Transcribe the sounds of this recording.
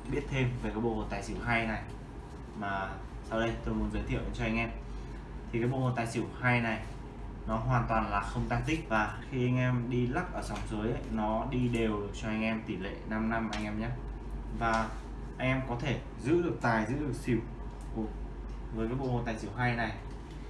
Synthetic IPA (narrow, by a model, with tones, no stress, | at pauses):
ɓi˦˥ət̚t̪ʰe˧mve˨˩kaː˨˦j̚ɓo̰˧˩ho˨˩t̪aː˨˩jsi˧˩əwɦaː˧jna˨˩j | maː˨˩ | sa˧wɗə˧jt̪o˧jmu˨˦nzə˨˦t̪ʰḭ˧˨əʔt͡ɕɔ˧ʔa˧jŋ̟ʔɛ˧m | t̪ʰi˨˩kaː˨˦jɓo̰˧˨ho˨˩t̪aː˨˩jsi˧˩əwhaː˧jna˨˩j | nɔ˨˦ɦwaː˨˩nt̪waː˨˩nlaː˨˩xə˧wŋ͡mt̪aː˦˥t̚zï˦˥k̚vaː˨˩xi˧ʔa˧jŋ̟ʔɛ˧mɗi˧la˦˥k̚ʔəː˧˩t͡ɕa˨˦wŋ͡mzəː˨˦jə˧˦jnɔ˨˦ɗi˧ɗe˨˩wɗɨ˨˩k̚t͡ɕɔ˧ʔa˧jŋʔɛ˧mt̪i˧˩lḛ˧˨na˧mna˧mʔa˧jŋʔɛ˧mɲaː˦ | vaː˨˩ | ʔa˧jŋ̟ʔɛ˧mkɔ˨˦t̪ʰe˧˩ | zɨ̰˧˥ɗɨ˨˩ək̚t̪aː˨˩jzɨ̰˧˥ɗɨ˨˩ək̚si˧˩əw | ku˧˩ | vəː˨˦kaː˨˦j̚ɓo̰˧˩ho˨˩t̪aː˨˩jsi˧˩wɦaː˧jna˨˩j